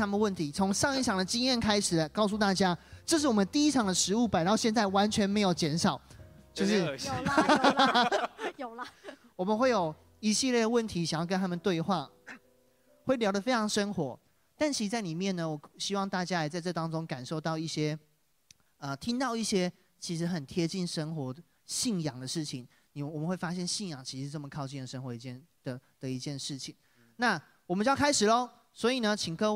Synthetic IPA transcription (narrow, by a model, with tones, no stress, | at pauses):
a˥mə˨n˦wə˥˩nt̪ʰi˨˦t͡sʰʊ˧˦˥ŋʂɑ˥˧ŋi˥˩t͡ɕʰjɑ˨˩ŋd̪ə˩t͡ɕi˥ŋjɛ˥˩nkʰa˥ɪʂɻ̩˨˩lə˦kɑ˥˩ʊs̬u˥˧t̪a˥˩t͡ɕja˥ʈ͡ʂɤ˥˧ʂ̬ɻ̩˥˩wɔ˨˩mə˦nt̪i˥˨i˦˥ʈ͡ʂʰɑ˨ŋd̪ə˨ʂɻ̩˧˥u˥˩pa˨˩ɪt̪ɑ˥˧ʊɕjɛ˥˧nt͡sa˥˩ɪwa˧˦nt͡ɕʰɥɛ˧˥nme˧˥ɪjo˨˩ʊt͡ɕjɛ˧˥nʂɑ˨˩˦ʊt͡ɕjo˥˧ʊʂɻ̩˥˩ | j | wɔ˨˩mə˨˦nxwe˥˩ɪjo˨˩ʊ | i˧˩ɕi˥˧ljɛ˥˩ɾə˩wə˥˩nt̪ʰi˧˥ɕŋjɑ˥˩kə˦nt̪ʰa˥mə˨nt̪we˥˧ɪxwa˥˩ | xwe˥˩ɪljɑ˥ʊə˩fe˥ɪʈ͡ʂʰɑ˧˥ŋʂə˥nxwɔ̰˧˥ | t̪a˥˩nt͡ɕʰi˧˥˧t͡sa˥˩ɪli˨˩mjɛ˥˨nə˩wɔ˨˩ɕi˥wɑ˥˧ŋt̪a˥˩t͡ɕja˥ja˨˥˩t͡sa˥˧ɪʈ͡ʂɤ˥˩t̪ɑ˥ŋʈ͡ʂʊ˥˦ŋka˨˩nʂo˥˧ʊt̪ɑ˥˧ʊi˥˩ɕjɛ˦˥ | ə˧t̪ʰi˥nt̪ɑ˥˧ʊi˥˩ɕjɛ˥ | t͡ɕʰi˧˥ʂɻ̩˧˥xə˨˩nt̪ʰjɛ˥t͡ɕi˥˩nʂə˥ŋxwɔ˧˥˦ | ɕi˥˩njɑ˨˩ŋd̪ə˦ʂɻ̩˥˩t͡ɕʰi˨˩ŋ | ni˨˩wɔ˨˩mə˦nxwe˥˩fa˥ɕjɛ˥˧nɕi˥˩njɑ˨˩ŋt͡ɕʰi˧˥ʂ̩ɻ̩˥˧t͡smə˨˩kʰɑ˥˧ʊt͡ɕi˥˩nlə˨˩ʂə˥ŋxwɔ˧˥i˧t͡ɕjɛ˥˩n | d̪̥ə˨d̪̥ə˨i˧˥t͡ɕjɛ˥˧nʂɻ̩˥˩t͡ɕʰi˨˩ŋ | na˥˨ | wɔ˨mə˦nt͡ɕkʰa˥ɪʂɻ̩˨˩lə˦ | swɔ˧˥i˨˩nə˨t͡ɕʰi˨˩ŋkʰɤ˥